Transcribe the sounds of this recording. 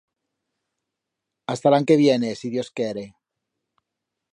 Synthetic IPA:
ast̪alaŋke̞βje̞ne̞siðjo̞skjeɾe

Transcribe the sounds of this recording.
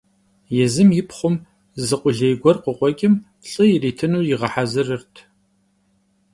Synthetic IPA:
jɛzɨmjɪpχʷʊm | zɨqʷʼʊɮejɡʷɔrqʷʊqʷʼɔkʲʼɪm | ɬʼɨjɪriːtʰɨnuːjɪʁɐħazɨrɨrtʰ

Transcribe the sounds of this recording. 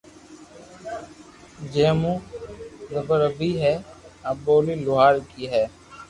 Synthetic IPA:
d͡ʒeːmũː | ɾəbəɾəbiːɦɛːaboːliːlʊɦaːɾkiːɦɛː

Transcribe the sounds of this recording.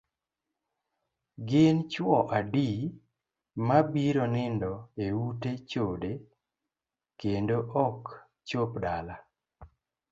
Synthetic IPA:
ɡɪnt͡ʃwɔʔadi | mabiɾonɪndɔeutet͡ʃode | kendoʔɔk | t͡ʃopdala

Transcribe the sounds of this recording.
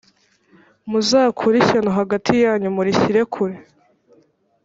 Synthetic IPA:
muzaːkʰuɾiçanoɦaɡatʰijaːɲumuɾiçiɾe̞kʰuɾe

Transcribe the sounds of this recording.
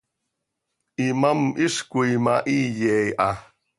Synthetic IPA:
ʔimamʔiʂkuimaʔijejʔa

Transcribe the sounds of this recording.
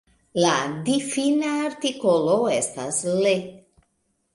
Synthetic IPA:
lad̪ifinaːɾt̪ikoloest̪asle

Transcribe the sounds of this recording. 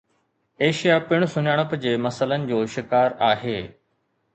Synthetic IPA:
eːʃijapɪɽ̃sʊɲaːɽ̃əpd͡ʑeːmɐsələnɪ̆d͡ʑoːʃɪkaːɾaːɦeː

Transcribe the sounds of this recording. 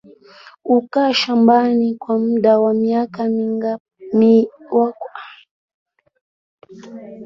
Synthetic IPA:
ukaʃambanikwam̩ɗawamiakamiŋ | mi | waka

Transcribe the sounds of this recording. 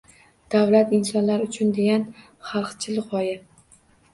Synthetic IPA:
d̪̥avlat̪ɪnsɒnlaɾʊt͡ʃʰʊnd̪e̞ɡʲan | χɑlˠqt͡ʃʰɪlʁɒjɪ

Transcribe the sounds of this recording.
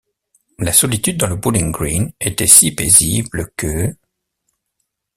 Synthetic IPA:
lasɔlit̪yd̪̚ːɑ̃ləbulĩŋɡʁinet̪ɛsipezibləkə

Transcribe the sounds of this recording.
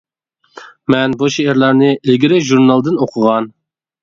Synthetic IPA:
mɛnbuʃeeɾlæɾnɨʔɪlɡʲiɾɪʒuɾnɑlˠd̪ɨnoqʰʊʁɑn

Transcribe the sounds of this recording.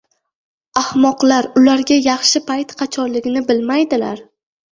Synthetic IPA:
ahmɒqlaɾʊlaɾɡʲajɑχʃɪpʰajt̪qʰɑt͡ʃʰɒnlɪɡʲɪnɪbɪlmajd̪ɪla̰ɾ

